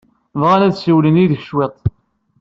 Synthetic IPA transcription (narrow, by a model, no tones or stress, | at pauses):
vʁalæðsəwləniðəçʃwet̪ˤ